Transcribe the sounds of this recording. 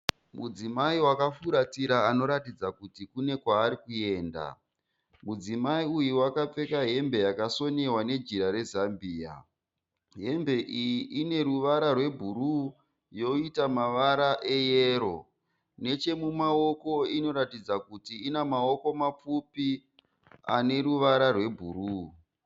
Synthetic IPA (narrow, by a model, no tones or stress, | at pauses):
mud͡zimaiwakafuɾatiɾaano̞ɾatid͡zakutikune̞kwaːɾikue̞ːnda̰ | mud͡zimaiujuwakap͡fe̞kaɦe̞mbe̞jakaso̞newane̞d͡ʒiɾaɾe̞zambiːa̰ | ɦe̞mbe̞ʔijiʔine̞ɾuʋaɾarwe̞bʱuru | jo̞itamaʋaɾaʔe̞jeːɾo̞ | ne̞t͡ʃe̞mumao̞ko̞ino̞ɾatid͡zakutiːnamao̞ko̞map͡fupi | a̰ne̞ɾuʋaɾarwe̞bʱuɾuː